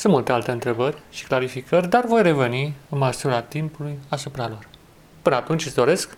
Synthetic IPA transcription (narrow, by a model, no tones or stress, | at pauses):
sɨnmult̪ealt̪e̞ɨnt̪ɾe̞bərʲʃi̥klaɾifikərʲd̪arvo̞jre̞ve̞niɨnməsuɾat̪impulujasupɾalor | pɨnəat̪unt͡ʃʲɨzd̪o̞ɾe̞sk